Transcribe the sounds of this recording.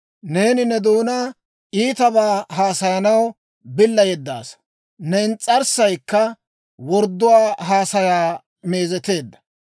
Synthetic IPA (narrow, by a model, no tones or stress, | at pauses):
ne̞ːnɪnɛd̪uːnaː | ʔiːt̪ɐbaːɦaːsɐjɐnɐw | bɪlːɐjɛd̪ːa̰ːs | nɛɪnt͡sʼɐɾsɐjkːɐ | wɔɾd̪ːʊwaːɦaːsɐjaː | me̞ːzɛt̪e̞ːd̪ːɐ̥